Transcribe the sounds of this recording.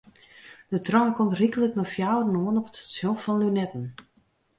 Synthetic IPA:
d̥ətrɔnkɔmtrikələknɔfjawrənoənɔpətsjofɔnlynɛtən̩

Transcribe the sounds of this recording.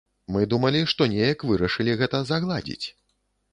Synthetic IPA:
mɨd̪umɐlʲiʂt̪ɔnʲejɐkvɨɾɐʂɨlʲiɣɛt̪ɐzɐɣlˠad͡zʲḭt͡sʲ

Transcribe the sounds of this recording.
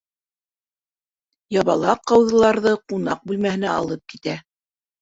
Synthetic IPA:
jɑβɑlˠɑqːɑwðɤ̆lˠɑɾðɤqunɑq̚bʉlmæhɘ̆næɑ̰lˠɤp̚kit̪æ

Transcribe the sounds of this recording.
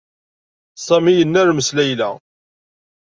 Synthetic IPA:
sˤɑmijənːæɾməslæjlæ̰

